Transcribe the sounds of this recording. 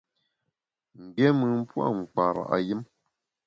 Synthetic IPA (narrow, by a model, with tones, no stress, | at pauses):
ŋ̩˨ɡɛ˦mɨ˨m̩˦pwa̰˦˨ŋ͡m̩˨k͡pa˨ɾa̰˨ʔa˨jɨ˦m